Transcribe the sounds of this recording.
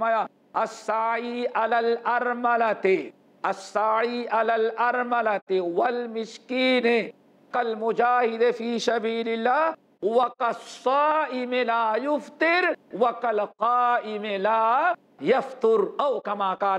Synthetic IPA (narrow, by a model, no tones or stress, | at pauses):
maja | ɐsːaːʕiːʔalaːlɐɾmɐlat̪ɪ | ɐsːaːʕiːʔalaːlʔɐɾmɐlɐt̪ɪwɐlmɪʃkiːne | kɐlmʊd͡ʒaːhɪd̪efiːsɐbiːlɪlːaː | wɐkɐsːaːʔɪmelaːjʊft̪ɪɾwɐkɐlqaːɪmelaː | jɐft̪ʊɾɐwkɐmaːkaː